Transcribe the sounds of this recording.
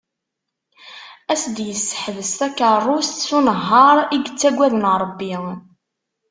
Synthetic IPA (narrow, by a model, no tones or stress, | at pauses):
æsd̪jəsːə̥ħəvəst̪ækərˤːʊst̪sunəɦːɑɾˤiɡət͡sːæɡʷæðənɾˤəbːi